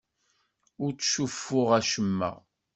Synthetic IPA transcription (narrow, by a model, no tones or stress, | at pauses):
ʊɾt͡sːʃufːʊʁæʃəmːə̰ʁ